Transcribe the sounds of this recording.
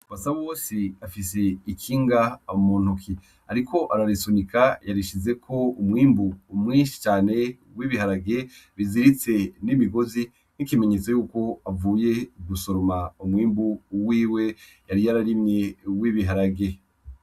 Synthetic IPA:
βasaβwoːsiafis̬eikʰiːŋɡamuːn̥ukʰi | aɾikʰo̞ʔaɾaɾisunikajaɾiʃize̞kʰo̞umŋiːmbuːmŋiːnʃi̥t͡ʃaːne̞ | wiβihaɾaɡe̞βiziɾit͡se̞niβiɡo̞zi | nikime̞ɲe̞t͡sojuːko̞avuːje̞ɡuso̞ɾomaumwiːmbuwiːwe̞ | jaɾijaɾaɾimɲe̞wiβiɦaɾaɡe̞

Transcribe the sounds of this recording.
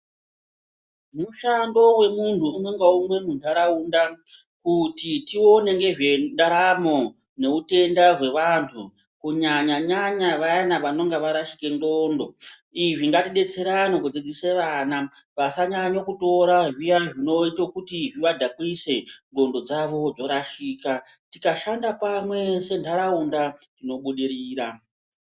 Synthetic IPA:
muʃando̞we̞muntʰuumwe̞ŋɡaumwe̞nundaɾaunda | kutitio̞ne̞ŋɡe̞ʐeɗaɾamo̞ | ne̞ute̞ndaɦwe̞ʋantʰu | kuɲaɲaɲaɲaʋajanaʋano̞ŋɡaʋaɾaʃi̥ke̞ndo̞ːndo̞ | iʐiŋɡatiɗe̞t͡se̞ɾanokud͡zid͡ziseʋaːnaʋasaɲaɲokuto̞ɾaʐijaʐino̞itokutiʐiʋadʱakwise̞ŋɡo̞ndo̞d͡zaʋo̞d͡zo̞ɾaʃiːka | tikaʃandapamwe̞se̞ndʰaɾaundatino̞ɓuɗiɾiːɾa

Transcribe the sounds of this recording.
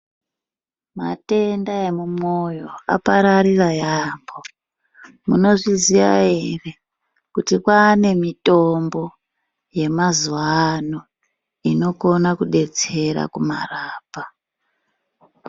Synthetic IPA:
ma̰te̞ndae̞mumo̞jo̞a̰paɾaɾirajambo̞ | muno̞ʐiziʋa̰ɦe̞re̞ | kutikwaːne̞mito̞mbo̞ | je̞mazuʋano̞ | ino̞ko̞nakuɗe̞t͡se̞ɾa̰kuma̰raːpa

